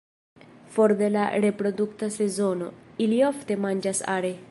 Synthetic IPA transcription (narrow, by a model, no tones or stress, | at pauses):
foɾd̪ela̰ɾepɾod̪ukt̪asezono̰iliaft̪emand͡ʒasa̰ɾe